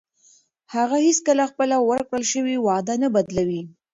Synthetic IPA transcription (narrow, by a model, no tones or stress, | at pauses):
haɣahiskəlaxpəlawəɾkɽəlʃəwiwɑd̪anabad̪lawi